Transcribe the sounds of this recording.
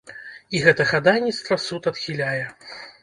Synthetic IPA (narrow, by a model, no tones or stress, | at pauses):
iɣɛt̪ɐɣad̪ajnʲit̪st̪vɐsut̪ɐt̪xʲilʲajɛ